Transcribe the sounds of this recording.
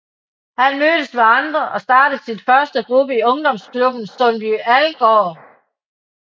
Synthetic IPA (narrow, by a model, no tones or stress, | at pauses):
hænmøːd̥əsʋeɑ̈nd̥ʁɐʔɒ̽sd̥ɑ̈ːd̥əð̩ˠsid̥fɶɐsd̥əɡ̥ʁubəiɔ̽ŋd̥ɒ̽msɡ̥ʰloɡ̥n̩sɔnb̥yælɡ̥ɒ̰ː